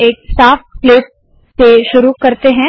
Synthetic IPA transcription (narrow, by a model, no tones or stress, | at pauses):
eːk̚saːfklɪp̚ | seʃʊɾukɐɾt̪eɦɛ̃